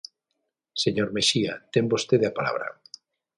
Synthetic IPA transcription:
seɲoɾmeʃiat̪embost̪eðeapala̰βɾɐ̰

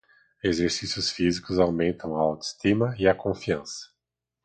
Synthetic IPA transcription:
ezeɾsisjʊsfizikʊzawmẽnt̪ʰɐ̃w̃ɐawt̪oist̪imɐɪakõfiɐ̃sɐ̥

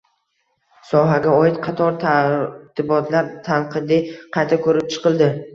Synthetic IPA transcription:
sɒɦaɡʲaɒɪt̪qʰɑt̪ʰɒɾt̪ʰt̪ʰɪbɒt̪ʰlaɾt̪ʰanqɨd̪ɪqʰɑjt̪ʰakʰɵɾɪp̚t͡ʃʰɨ̥qɨlˠd̪ɪ

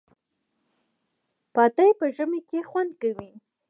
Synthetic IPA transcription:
pɑt̪ajpəʒəmekexwand̪̚kawi

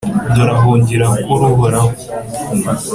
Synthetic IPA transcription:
nzoɾaɦuːɲɟiɾakuɾuɦoɾaɦo

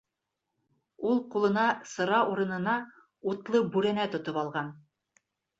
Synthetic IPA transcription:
ulˠqulˠɤ̆nɑsɤ̆ɾɑʔuɾɤ̆nɤ̆nɑ | ut̪lˠɤbʉɾænæt̪ŏt̪opɑlˠʁɑn

